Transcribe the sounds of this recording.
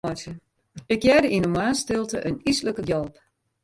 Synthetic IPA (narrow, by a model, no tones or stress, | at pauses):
ɔsə | ɪkjɛːdəʔinəmwaːnstɪlˠtə̰ʔənisləkəjɔlˠp